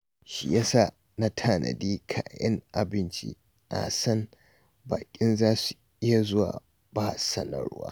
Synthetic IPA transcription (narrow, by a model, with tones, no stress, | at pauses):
ʃi˨ja˦sa˦˨ | na˦tʰaː˦˨nʔɐ̰˨diː˦kʰaː˨jɛ˦ŋʔa˨bɪ˦nt͡ʃḭ˦ | ʔa̰˨sɐ˦n | baː˨kʲʼɪ˦nzaː˦su˨ | ʔɪ˦ja˨zʊ˦wa̰ː˨ | ba˦sɐ˦nɐ̰˨ɾwa̰ː˦